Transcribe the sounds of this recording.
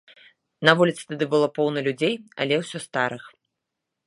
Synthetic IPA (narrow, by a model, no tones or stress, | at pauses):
nɐvulʲit̪sɨ̥t̪ad̪ɨbɨlˠɔpɔwnɐlʲud͡zʲejɐ̰lʲɛwsʲɔst̪aɾɨx